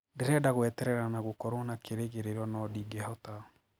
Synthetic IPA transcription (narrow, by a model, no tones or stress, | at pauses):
ndeɾɛdaɣwɛtɛɾɛɾanaɣokɔɾonakʰeɾeɣeɾeɾɔnɔdiːɡɛhɔta